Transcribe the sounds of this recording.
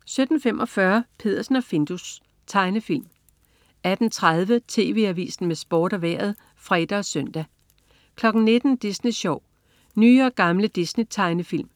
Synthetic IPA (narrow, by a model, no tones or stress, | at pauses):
sød̥n̩fem̰ʔɒ̽fɶːɐpʰe̝ð̰ˠɐsn̩ɒfe̝nd̥us | t͡sʰɑ̈ɪnəfil̰m | æd̥n̩t͡sʰʁað̞ˠʋət͡sʰe̝̰ːʋe̝̰ːæʋḭːsn̩mesb̥ɒːɾ̥æʋæɐ̰ð̞̩ˠ | fʁɛːd̥ɐɒ̽søn̰d̥æ | kʰlɒ̽ɡ̥n̩ne̝d̥n̩d̥isniɕɒʊ̰ | nyːɒ̽ɡ̥ɑ̈mləd̥isnit͡sʰɑ̈ɪnəfil̰m